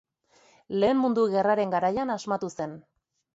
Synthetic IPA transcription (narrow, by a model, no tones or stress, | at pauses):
le̞ːmmund̪uɣe̞raɾe̞ŋɡaɾajanazmat̪use̞n